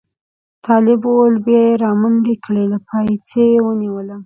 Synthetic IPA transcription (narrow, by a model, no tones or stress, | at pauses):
t̪ʰɑlɪbwolbjɑjeɾɑmanɖekəɽelapʰɑjsejewəniwəla